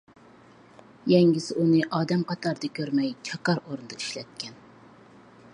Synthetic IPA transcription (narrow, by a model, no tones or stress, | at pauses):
jɛŋɡʲisɪʔunɨʔɑːd̪ɛmqʰɑt̪ʰɑɾd̪ɨkʲʰøɾmɛjt͡ʃʰɑkɑɾoɾnɨd̪ɑiʃlɛ̰t̪̚kʲʰɛn